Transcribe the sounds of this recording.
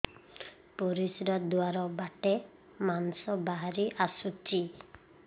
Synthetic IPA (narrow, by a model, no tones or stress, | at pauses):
pɔɾisɾad̪waɾɔbaʈe | manɔsɔbaɦaɾiʔasut͡ʃi